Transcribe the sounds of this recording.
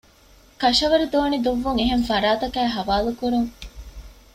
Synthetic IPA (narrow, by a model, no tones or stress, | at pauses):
kɐʃɐʋɐɾid̪oːnid̪uʋːuŋeɦenfɐɾaːt̪ɐkæːɦɐʋaːlukuɾuŋ